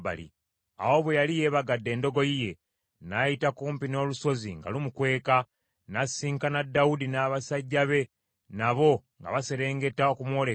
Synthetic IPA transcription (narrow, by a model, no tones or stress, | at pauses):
ba̰lḭ | a̰wo̞βwe̞jalije̞ːβaɡadːe̞ːndo̞ɡo̞jije̞ | najitakuːmpino̞ːluso̞ziŋɡa̰lumukwe̞ːka | nasiːŋkanadːaudinaːβasaɟːaβe̞ | naβo̞ŋɡa̰βase̞ɾe̞ːŋɡe̞taokumwo̞ːle